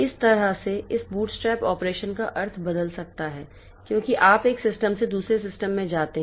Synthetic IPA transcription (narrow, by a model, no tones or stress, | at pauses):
ɪst̪ɐɾəɦseɪsbuːʈsʈɾɛːpɔːpɾeːʃənkaʔɐɾt̪ʰbɐd̪əlsɐk̚t̪aɦɛː | kjõːkiʔaːpeːksɪsʈəmsed̪uːsɾes̬ɪsʈəmːẽd͡ʒaːt̪eɦ